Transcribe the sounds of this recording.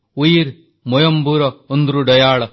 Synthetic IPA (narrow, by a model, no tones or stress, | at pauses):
ujiɾ | mɔjɐmbuːɾɐond̪ɾuɖɐjaːɭɐ